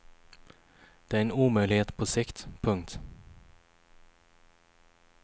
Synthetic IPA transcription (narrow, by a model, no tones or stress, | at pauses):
d̪̥eæɾeːnuːmœʏlɪheːt̪pʰoːsɪkt̪pʰɵŋt̪